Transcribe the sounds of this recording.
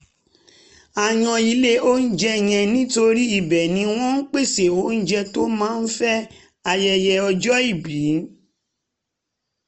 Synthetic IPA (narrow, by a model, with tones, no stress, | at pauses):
a˧j̃ã˧i˧le˦o˦n̩˦d͡ʒɛ˦˨j̃ɛ̃˧nĩ˦to˧ɾi˦i˦˨bɛ˨nĩ˨˦w̃ɔ̃˦n̩˦k͡pe˦˨se˨o˨˦n̩˦d͡ʒɛ˧to˦mãː˦n̩˦fɛ˦ | a˧jɛ˧jɛ˧ɔ˧d͡ʒɔ˦i˦˨bi˨˦